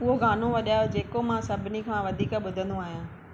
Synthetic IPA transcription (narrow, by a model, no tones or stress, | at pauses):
ʊɦoɡaːn̤õʋɐɗjaːjod͡ʑeːkomãsɐbʱɪnikʰãːʋɐd̪ʱiːkɓʊd̪ʱə̃n̆d̪oũaːɦijãː